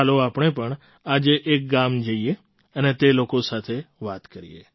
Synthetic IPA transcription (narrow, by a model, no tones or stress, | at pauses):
aloapɳ̃epəɳ | ad͡ʒeʔːk̚ɡamd͡ʒəie | ənet̪elokosat̪ʰeʋat̪kəɾḭḛ